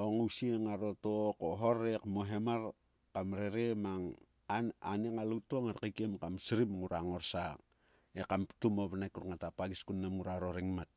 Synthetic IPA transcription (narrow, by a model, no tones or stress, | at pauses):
oŋusieŋaɾotokoɦoɾekmoɦemar | kamɾeɾemaŋ | aaneŋalutoŋaɾkikemkamsiɾimŋuɾaŋorsa | ekamptumoβanakuɾuŋatapaɡiskunːamŋuɾaɾoɾiŋmat̚